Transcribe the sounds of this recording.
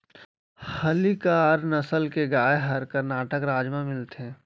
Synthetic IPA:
həlikaɾnəsəlkeɡaːeɦəɾkəɾnaːʈəkɾaːd͡ʒmãmɪlt̪eː

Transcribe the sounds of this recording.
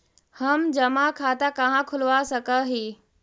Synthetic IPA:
hɐmd͡ʑɐmakʰaːt̪akɐɦãkʰʊlʋasɐkəɦiː

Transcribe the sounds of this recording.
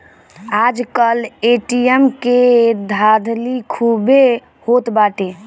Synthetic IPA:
ad͡ʒkəleʈiemked̪ʱad̪ʱlikʰube | hot̪baʈe

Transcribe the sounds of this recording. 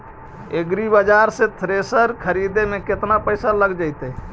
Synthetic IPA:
eɡɾibəd͡ʒaɾsẽt̪ʰɾesəɾkʰəɾid̪emeket̪napəjsaləɡd͡ʒajt̪ɛ

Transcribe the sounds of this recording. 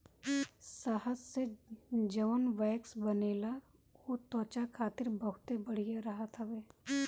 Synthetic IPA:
saɦəssed͡ʒəʋənʋɛːksbɐneːla | ot̪ɔ̃ːt͡ʃakʰaːt̪ɪɾbəɦʊt̪ebɐɽ̤ijeɾɐɦat̪ʰaʋeː

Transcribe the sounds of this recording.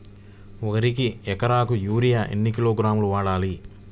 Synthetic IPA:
ɔkɐɾik̬iɛkɐɾaːkujuːɾijaʔḛnːikiloːɡɾaːmuluʋaːɽaːli

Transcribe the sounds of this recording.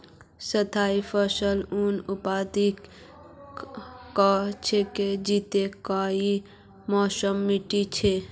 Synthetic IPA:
sət̪ʰaːifʰəsəlunupaːd̪ik | kat͡ʃʰeked͡ʒit̪ekaːi | mɔːsəmːiʈit͡ʃʰe

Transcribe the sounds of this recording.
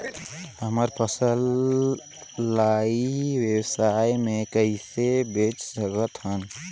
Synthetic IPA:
həməɾpəsəl | aiwewsajmekəɦisebet͡ʃsəɡət̪ɦən

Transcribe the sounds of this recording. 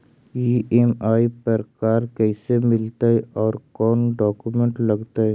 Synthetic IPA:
iʔemaːipɐɾkaːɾkɛːsemɪlt̪aɦɛʔɔːɾkɔːnɖɔːkumẽɳʈlɐɡt̪aɦɛ

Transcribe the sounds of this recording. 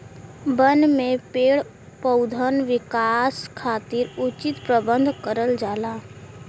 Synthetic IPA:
bənmẽpeːɭ | pəʊd̪ʱənʋɪkaːskʰaːt̪iɾʊt͡ʃɪt̪pɾəbə̃nd̪ʱkəɾəld͡ʒaːlaː

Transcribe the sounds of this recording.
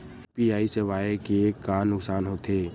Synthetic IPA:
piaːiseʋaːekeːkːaːnʊksaːnɦoːt̪ʰeː

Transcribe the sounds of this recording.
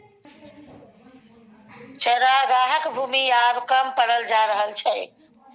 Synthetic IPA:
t͡ʃəɾaɡaɦəkbʱuːmiabkəmpəɽəld͡ʒaɾəɦəlt͡ʃʰɛ

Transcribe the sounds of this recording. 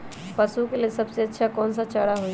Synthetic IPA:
pəsukelesəbseətːʃʰakɔːnsat͡ʃəɽaɦo

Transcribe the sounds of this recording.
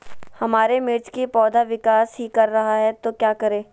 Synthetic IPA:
hɐmaːɾemɪɾt͡ʃkipɔːd̪ʱaʋɪkaːsɦikɐɾːɐɦaɦɛt̪okjaːkɐɾeː

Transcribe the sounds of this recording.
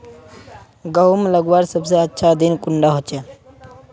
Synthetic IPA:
ɡəɦumləɡwaɾsəbseətːʃʰad̪inkʊɳɖaɦot͡ʃe

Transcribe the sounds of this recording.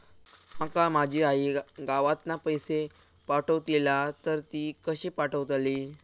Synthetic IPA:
məkamad͡ʑʱiːaɦiɡaʋat̪napəjse | paʈəʋt̪ilat̪əɾt̪iːkəɕipaʈəʋt̪aliː

